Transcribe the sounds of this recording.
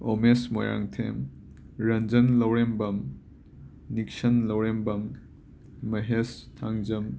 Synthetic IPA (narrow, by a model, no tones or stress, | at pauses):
omesmo̰jɾa̰ŋtʰem | ɾɐnd͡ʒɐnlɐwɾembɐm | nik̚sɐnlɐwɾembɐmː | ɐɦestʰaŋd͡ʒɐm